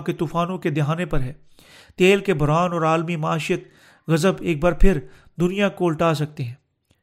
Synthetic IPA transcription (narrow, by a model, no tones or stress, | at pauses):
ket̪uːfaːnõked̪ɪɦaːnepɐɾɦɛː | t̪eːlkebʱʊɾaːnɔːɾaːlmimɐaːʃɪjət̪̚ | ɣɐzəbeːk̚baːɾpʰɪɾ | d̪ʊnijakoːʊlʈaːs̬ɐk̚t̪eɦɛ̃ː